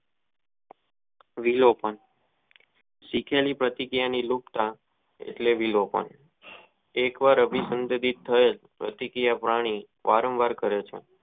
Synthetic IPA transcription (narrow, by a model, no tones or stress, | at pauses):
ʋilopəɳ | sikʰelipɾət̪ikɾijanilukt̪a | ḛʈleʋilopə̰ɳ | ekʋaɾəbʱisənd̪əd̪it̪ʰːəelpɾə̰t̪ikɾjapɾaɽ̃i | ʋʔaɾə̃mʋaɾkəɾet͡ʃʰḛ